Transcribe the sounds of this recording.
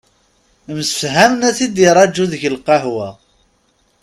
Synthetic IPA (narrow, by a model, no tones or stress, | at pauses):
məsfɦæmnæθid̪iɾˤɑd͡ʒːuðəʝəlqɑɦwæ